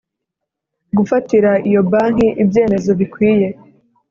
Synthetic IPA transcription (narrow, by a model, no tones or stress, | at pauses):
ɡufatiɾaijo̞baːŋ̥iʔibje̞ːme̞zo̞βikwiːje̞